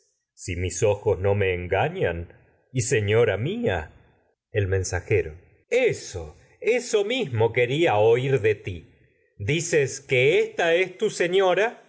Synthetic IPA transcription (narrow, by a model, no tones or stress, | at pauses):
simiso̞xozno̞me̞ːŋɡaɲan | iseɲoɾamia̰ | elmẽnsaxeɾo | eso | eso̞mizmoke̞ɾiaoiɾðet̪i | d̪iseskeest̪aest̪useɲoɾa